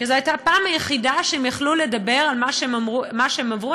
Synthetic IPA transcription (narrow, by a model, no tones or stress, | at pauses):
kizeajt̪apaːmhajeχidaʃeemjaχlule̞dabe̞ʁalmaʃemamumaʃeemavʁu